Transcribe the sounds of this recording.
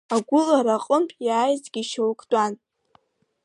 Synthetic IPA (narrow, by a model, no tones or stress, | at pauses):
aɡʷʊlaɾaqʼəmpʼjaːjzɡ̥ʲiʃowkʰʼtʼan